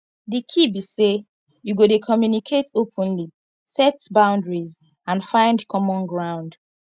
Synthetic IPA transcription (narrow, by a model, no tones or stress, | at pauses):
dikʰibise | juɡodekʰɔmjunikʰetopʰɔ̃nli | sɛtbãʊ̃ndɹiz | ãnfãɪ̃ndkʰɔmɔ̃nɡɹãʊ̃nd